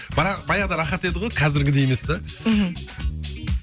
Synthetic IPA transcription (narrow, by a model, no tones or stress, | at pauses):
b̥ɑɾɑbɑjɑʁd̪ɑɾɑχɑt̪e̞d̪ɪʁo̞jqʰɑzɪɾɡʲɪd̪ejeme̞sd̪aɦm̩